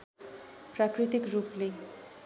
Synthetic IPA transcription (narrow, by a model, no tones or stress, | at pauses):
pɾakɾit̪ikɾuple